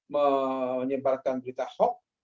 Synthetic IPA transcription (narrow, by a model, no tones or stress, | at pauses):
məɲəbarkanbəɾit̪ahɔk̚